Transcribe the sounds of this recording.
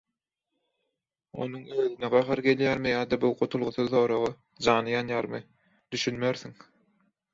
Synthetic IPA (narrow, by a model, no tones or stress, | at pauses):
o̞̰nuŋøːðyneɢɑɦɑɾɡe̞ljæːɾmijɑːd̪ɑbuwqot̪ʰulˠʁuθuθo̞ːɾoʁɑ | d͡ʒɑːnɯjɑnjɑːɾmɯ | d̪̥yʃynmeɾθiŋ